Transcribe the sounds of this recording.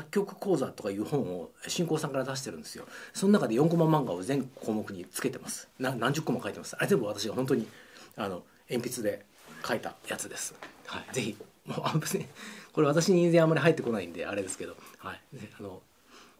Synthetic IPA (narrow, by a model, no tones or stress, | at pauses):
sakʲːo̞kɯ̟̥ko̞ːzat̪o̞kajɯ̟ːhõ̞ɰ̃o̞ɕĩŋkoːsãŋkaɾad̪aɕ̬i̥t̪e̞ɾɯ̟̃nd̪esɨjo̞̰so̞nonakad̪e̞jõ̞ŋko̞mãmːãŋɡao̞zẽŋkʰo̞ːmokɯ̟ɲ̟it͡sɨ̥ke̞t̪e̞masɨ̥nanãɲ̟d͡ʑɨkːomakait̪e̞masɨ̥aɾe̞ze̞mbɯ̟β̞at̪aɕiɡaɦont̪̬o̞ɲ̟iano̞ | ẽ̞mpʲit͡sɨd̪e̞ | kʰait̪a̰jat͡sɨd̪e̞sɨ̥haid͡ze̞çi | moːabet͡sɨɲiko̞ɾe̞βat̪aɕiɲ̟ĩnzẽ̞amːaɾʲiɦait̪ːe̞ko̞naĩnd̪e̞̰ʔaɾe̞d̪e̞sɨ̥ke̞d̪o̞haiano̞